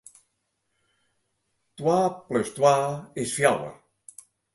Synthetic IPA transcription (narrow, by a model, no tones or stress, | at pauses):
t̪waplest̪waesfjawə̰